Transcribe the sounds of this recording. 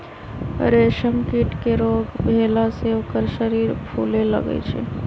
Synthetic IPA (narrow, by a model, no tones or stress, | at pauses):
ɾeʃəmkiʈkeɾoɡbʱelaseokəɾʃəɾiɾpʰulelə̰ɡə̰t͡ʃʰɛ̰